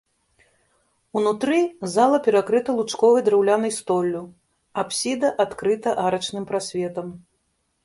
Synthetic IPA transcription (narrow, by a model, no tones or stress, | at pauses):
unut̪ɾɨzalˠɐpʲɛɾakɾɨt̪ɐlˠut͡ʂkɔvɨjd̪ɾɛwlʲanɨjst̪ɔlʲːu | apsʲid̪ɐʔat̪kɾɨt̪ɐʔaɾɐt͡ʂnɨmpɾasʲvʲɛt̪ɐm